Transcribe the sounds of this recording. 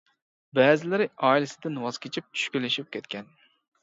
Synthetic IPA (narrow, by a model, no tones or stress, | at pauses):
bɛːzɪlɪɾɪʔɑːilɪsɪd̪ɪnwɑz̥kʲʰet͡ʃʰip̚t͡ʃʰy̥ʃkʲylːɪʃip̚kʲʰɛt̪kʲɛn